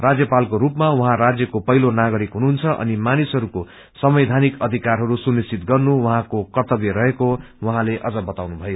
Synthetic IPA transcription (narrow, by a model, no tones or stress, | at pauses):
rad͡zjʌpalkoɾupmawʌɦãrad͡zjʌkopʌɦilonaɡʌɾikɦununt͡sʰʌʔʌ̰nimanisɦʌɾuko | sʌmʌjd̪ʱanikʌd̪ʱikarɦʌɾusunist͡sit̪ɡʌrnuwʌɦãkokʌrt̪ʌbjʌɾʌɦeko | wʌɦãleʔʌd͡zʌbʌt̪awnubʱʌjo